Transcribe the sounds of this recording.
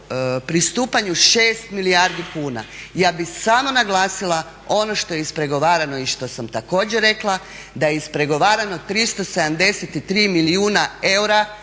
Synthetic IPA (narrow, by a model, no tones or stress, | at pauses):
pɾist̪uːpaɲuʃeːst̪milijaɾd̪ikuːna̰jaːbisaːmonaɡlˠaːsilˠa | o̞no̞ʃt̪o̞jeispɾe̞ɡo̞ʋaːɾano̞iʃt̪o̞samt̪ako̞ːd͡ʑeɾe̞klˠa | d̪ajeispɾe̞ɡo̞ʋaːɾano̞t̪ɾist̪o̞se̞d̪amd̪e̞set̪it̪ɾiːmiliuːnae̞wɾa